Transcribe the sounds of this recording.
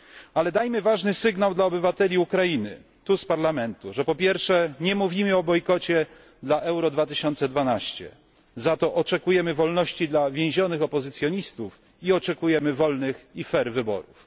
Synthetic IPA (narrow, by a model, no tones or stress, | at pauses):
alɛd̪ajmɘvaʐnɘsɘɡnawd̪laɔbɘvat̪ɛlʲiukɾajinɘ̰ | t̪uspaɾlamɛnt̪uʐɛpɔpʲjɛɾfʂɛɲɛmuvʲimɘɔbɔjkɔt͡ɕɛ | d̪laʔɛwɾɔd̪vat̪ɘɕɔnt̪sɛd̪vanaɕt͡ɕɛ̰ | zat̪ɔʔɔt͡ʂɛkujɛmɘvɔlnɔɕt͡ɕid̪lavʲjẽw̃ʑɔnɘxɔpɔzɘt̪sʲjɔɲist̪uf | iɔt͡ʂɛkujɛmɘvɔlnɘxifɛɾvɘbɔ̰ɾuf